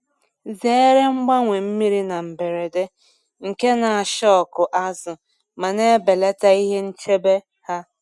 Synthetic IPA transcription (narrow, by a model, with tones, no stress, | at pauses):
ze˦e˦ɾe˦ŋ͡m̩˦ɡ͡ba˦ŋʷe˨m̩˦mi˦ɾi˦na˨m̩˨be˨ɾe˨de˦ | ŋ̩˨ke˦na˨a˨ʃɔ˦ɔ˨kʊ˨ʔa˦zʊ˨ | ma˨ne˦be˨le˦ta˦i˦ɦe˦n̩˦t͡ʃe˦be˦ | ha˦